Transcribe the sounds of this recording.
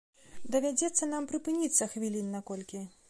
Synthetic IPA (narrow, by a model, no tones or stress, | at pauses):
d̪ɐvʲad͡zʲɛt̪sːɐnampɾɨpɨnʲit̪sːɐxvʲilʲinːakɔlʲkʲi